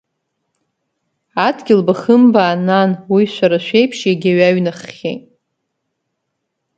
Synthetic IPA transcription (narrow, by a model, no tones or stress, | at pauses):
adɡʲɪlbaχəmbaːnanwiʃʷaɾaʃʷejpʰʂjaɡʲaɥaɥnaχːʲḛjtʼ